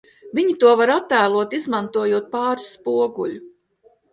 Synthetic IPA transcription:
vʲiɲit̪uɔvaɾat̪ːæːlˠuɔt̪izmant̪uɔjuɔt̪̚paːɾsːpuɔɡulʲu

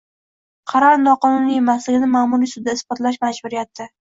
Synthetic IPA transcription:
qʰɑɾɒɾnɒqʰɒnʊnijemaslɪɡʲɪnɪmaːmuɾisʊd̪aɪsb̥ɒt̪laʃmad͡ʒbʊɾɪjat̪ʰːɪ

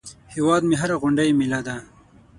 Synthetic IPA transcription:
hewɑːd̪meɦaɾaɣʊɳɖajemilad̪a

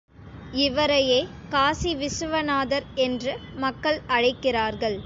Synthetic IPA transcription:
ɪʋɐɾɐjeː | kaːsiʋɪsɯʋɐnaːðɐɾɛndrɯmɐkːɐɭɐɻɐɪkːɪraːɾɣɐɭ

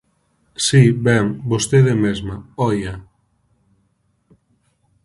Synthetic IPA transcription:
sibɛŋbost̪eðemezmaɔja

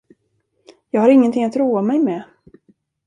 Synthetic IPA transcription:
jɑːɡhaɾɪŋːənt̪ʰɪŋːat̪ɾuːamɛjmɛ

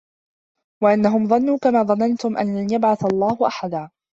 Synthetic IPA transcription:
waʔanːaɦʊmðˤɑnːuːkamaːðˤɑnɑnt̪ʊmʔa̰nlanjabʕaθalˤːɑːhʊʔaħad̪aː

